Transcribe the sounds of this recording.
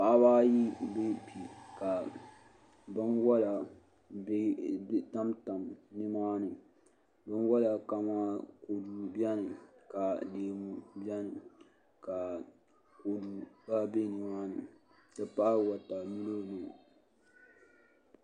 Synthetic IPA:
pa˦baː˦ji˦be˦pi˨ka˨ | bɨ˦nwɔ˦la˨ | be˦ta˦mta˨mnɨ˦maː˦nɨ˨ | bɨ˦nwɔ˦la˨ka˨maː˦ko˨du˨bjɛ˦nɨ˨ka˨deː˨mu˨bjɛ˦nɨ˨ | ka˨ | ko˨du˨ba˦be˦nɨ˨maː˦nɨ˨ | dɨ˨pa˦˨wa˨ta˨nu˦lo˦˨nɨ˨

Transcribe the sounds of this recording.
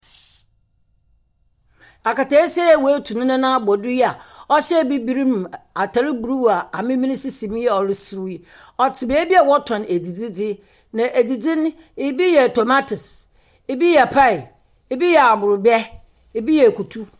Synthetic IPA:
a˨ka˨ta˨i˦sɛ˦ɛ˦˨wo˨˦tʰu˨nʊ̃˦nã˦nã˦˨bɔ˨dʊ˦jɛ˦a˨ɔ˦ɕɛ˦˨bi˦bi˦ɾĩ˦m˨a˨tʰa˨ɾi˦bu˨ɾu˦˨a˨a˨mɪ̃˦mĩ˦nĩ˦si˦sĩ˨m˦ɛ˦ɔ˨ɾɪ˦sɪ˦ɾʊ˦i˦ | ɔ˨tʰɪ˨be˨˦e˦bi˦a˨wɔ˦tʰɔ̃˨ne˨d͡zi˨d͡zi˦d͡zɪ˦ | nã˨ʔe˨d͡zi˨d͡zĩ˦n˦ | ɪ˦bi˦jɛ˨to˨ma˦tʰʊ˨s | ɪ˦bi˦jɛ˨pʰa˦ɪ˨ | ɪ˦bi˦jɛ˨a˨bʊ˨ɾʊ˨bɛ˦ | ɪ˨bi˦jɛ˨kʰu˨tʰu˦

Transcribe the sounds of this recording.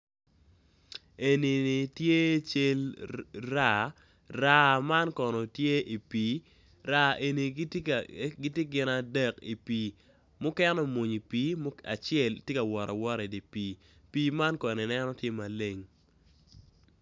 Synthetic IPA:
e˨ni˨ni˨tje˦t͡ʃe˦lɾa˦˨ | ra˦ma˦nkɔ˨nɔ˨tje˦ʔi˨piː˨˦ | ɾa˦ʔe˨ni˨˦ɡɪ˦tje˦ɡɪ˦na˨dɛ˦˨ki˨piː˨ | mʊ˦kɛ˦nɔ˦mo˨ɲi˨pi˦m˦a˨t͡ʃɪɛ˦˨ltje˦ka˨wɔ˨ɾɔ˨wɔ˦ɾe˨di˨piː˨ | piː˦ma˦nkɔ˨ne˨nɛ˦nɔ˦tje˦ma˨le˦ŋ

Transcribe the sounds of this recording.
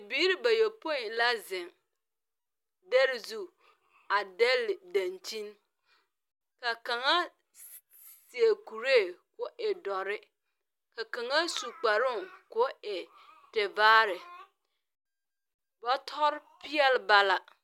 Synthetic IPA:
biː˦ɾi˦ba˨jo˨po˦i˨nla˦zɪ̃˨ŋ | dɛ˦ɾzu˨ | a˨dɛ˦ldã˨nt͡ʃi˦n | ka˨ka˨ŋa˦ | si˨e˨ku˨ɾe˦˨kʊ˦ʔɛ˨dɔ˨ɾɪ˦ | ka˨ka˨ŋa˦su˨k͡pa˨ɾʊ˦˨kʊ˦ɛ˨ | tɛ˨vaː˦ɾɪ˨ | bɔ˦tʰɔ˦ɾpɪ˦ɛ˦lba˨la˨

